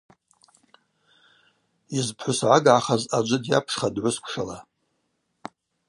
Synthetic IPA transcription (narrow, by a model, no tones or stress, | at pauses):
izpʰħʷʊsʕaɡʕaχazad͡ʒʷɨdja̰pʰʂχadʕʷʊskʷʰʂala